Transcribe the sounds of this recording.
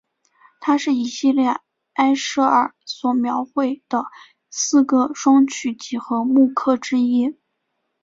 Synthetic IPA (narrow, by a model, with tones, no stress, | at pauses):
t̪ʰa˥ʂɻ̩˥˩i˨˩ɕi˥˧ljɛ˥˩ | a˥ɪʂ̩˥ə˞˨˩swɔ˨˩mjɑ˧˥ʊxwe˥˩ɪd̪̥ə˩ | sɹ̩˥˧ɡə˥˩ʂwɑ˥ŋt͡ɕʰy˥˩t͡ɕi˧˥xɤ˧˥mu˥˧kʰɤ˥˩ʈ͡ʂɻ̩˥i˥